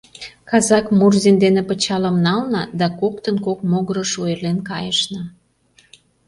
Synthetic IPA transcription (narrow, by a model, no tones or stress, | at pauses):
kɑzɑkmurzind̪enepət͡ɕɑləmnɑlnɑd̪ɑkokt̪ənkokmoɣəɾəʃuelenkɑjəʃnɑ